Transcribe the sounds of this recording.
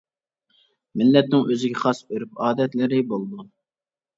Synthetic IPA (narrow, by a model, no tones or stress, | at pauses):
mɪlːɛt̪nɪŋʔøzɪɡʲɛχɑsbøɾypɑːd̪ɛt̪lɪɾɪbolˠd̪u